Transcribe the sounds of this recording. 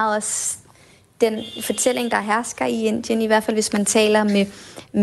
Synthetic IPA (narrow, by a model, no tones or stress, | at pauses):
ɒs | d̥enfɒ̽t͡sʰel̰e̝ŋd̥ɑ̈ɦæɐsɡ̥ɐie̝n̰d̥jəniʋæɐ̰̥fælʋe̝smænt͡sʰɛ̰ːlɐmem